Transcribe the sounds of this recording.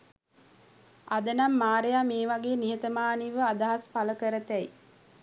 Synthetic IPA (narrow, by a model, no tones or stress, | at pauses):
ad̪ənamːaːɾejaːmeːʋaɡeːniɦət̪əmaːniʋəad̪aɦaspaləkəɾət̪ɛi